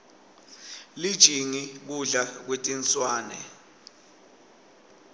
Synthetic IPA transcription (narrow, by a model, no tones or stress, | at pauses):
lid̥ʒ̥ʱiŋik̬uɮak̬wetʼint͡sʼwaːnɛ